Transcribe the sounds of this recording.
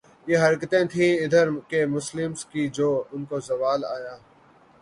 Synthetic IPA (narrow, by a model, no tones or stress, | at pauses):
jeːɦɐɾkət̪ẽt̪ʰĩːɪd̪ʱəɾkemʊslɪmskid͡ʒoːʊnkozɐʋaːla̰ːjaː